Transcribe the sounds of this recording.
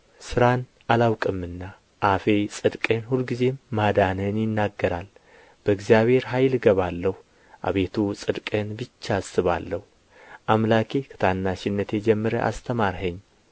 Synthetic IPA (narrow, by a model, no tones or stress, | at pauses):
sɨɾan | ʔalawkʼɨmːɨnːa | ʔafe̞sʼɨd̪kʼenhulɡize̞mːad̪anənjɪnːaɡːəɾal | b̥əɨɡzijaβhe̞ɾɦajlɡəβalːəhu | ʔa̰βe̞t̪ʰusʼɨd̪kʼenbɨt͡ʃːasɨβa̰lːəhu | ʔamlakʰekʰɨ̥t̪ʰanːaʃɪnːət̪ʰjed͡ʒɛmːɨɾəʔa̰st̪ʰəmaɾɦəɲː